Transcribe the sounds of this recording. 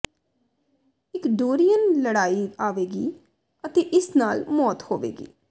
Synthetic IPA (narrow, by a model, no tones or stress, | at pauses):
ɪkɖoːɾijənləɽaːiːaːʋeːɡiː | ət̪eːʔɪsnaːlmɔːt̪hoːʋḛːɡḭː